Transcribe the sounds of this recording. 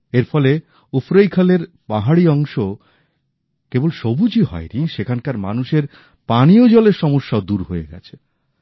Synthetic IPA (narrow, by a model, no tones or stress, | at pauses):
eɾfɔle | ufɾojkʰaleɾ | paɦaɽiɔŋʃo | kebolʃobʱud͡ʑiɦɔ̰eniʃekʰankaɾma̰nuʃeɾ | paniod͡ʑɔleɾʃɔmoʃːad̪uɾɦoḛɡɛ̰t͡ɕʰe̥